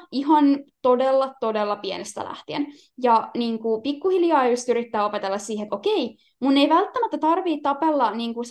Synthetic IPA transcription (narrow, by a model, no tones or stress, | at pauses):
iɦɑnt̪o̞delːɑt̪o̞delːɑpienest̪æ̰læ̰ht̪iḛn | jɑniːŋkupikːuhiljɑːjust̪yɾit̪ːæːo̞pet̪elːɑssiːhet̪okei | munːeiʋælt̪ːæmæt̪ːæt̪ɑrʋiːtt̪ːɑpelːɑniːŋkus